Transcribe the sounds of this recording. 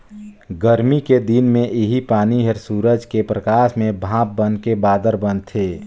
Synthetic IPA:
ɡəɾmiked̪inmẽʔɪɦipaːniɦəɾsuːɾəd͡ʒkepɾəkaːʃmẽbʱãːp̚bənkebaːd̪əɾbənt̪ʰeː

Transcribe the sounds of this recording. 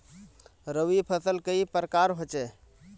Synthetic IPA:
ɾəʋipʰəsəlkəipəɾəkaɾɦot͡ʃɛ

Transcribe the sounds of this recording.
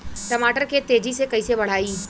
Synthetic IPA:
ʈɐmaːʈəɾket̪eːd͡ʒisekɐisebɐɽ̤aːiː

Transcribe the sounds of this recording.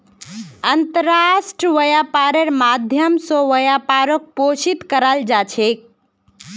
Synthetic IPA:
ənt̪əɾasʈəʋəjapaɾeɾmad̪ʱjəmsoʋəjapaɾok̚posit̪kəɾald͡ʒat͡ʃʰek̚

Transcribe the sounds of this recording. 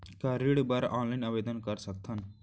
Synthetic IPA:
kaɾiɽbəɾɔ̃ːnlainɐʋed̪ənkəɾsəkt̪ʰan

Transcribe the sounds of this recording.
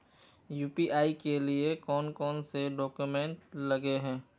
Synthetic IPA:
juːpiʔaːikeliekɔːnkɔːnseɖɔːkjumẽɳʈlɐɡeɦɛ̃ː

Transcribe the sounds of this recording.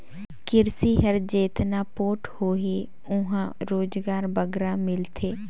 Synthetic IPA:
kɪɾsiːɦəɾd͡ʒeːt̪naːpoːʈhoːɦiː | ʊɦãɾoːd͡ʒɡaːɾbəɡɾãːmɪlt̪ʰeː

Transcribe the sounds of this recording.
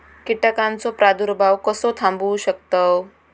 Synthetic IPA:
kiʈakãnt͡sopɾad̪uɾbʱaʋkəsot̪ʰãmbuɕək̚t̪o

